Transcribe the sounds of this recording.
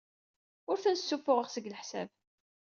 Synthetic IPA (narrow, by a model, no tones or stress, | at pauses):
ʊɾθænsːufːʊʁəʁsəɡləħsæ̰b